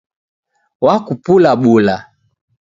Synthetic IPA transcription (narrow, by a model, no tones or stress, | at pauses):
wakupulaɓula